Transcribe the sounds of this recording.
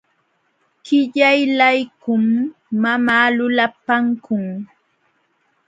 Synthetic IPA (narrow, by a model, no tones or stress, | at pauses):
kɪʎajlajkʊmːamaːlʊlapaŋkʊŋ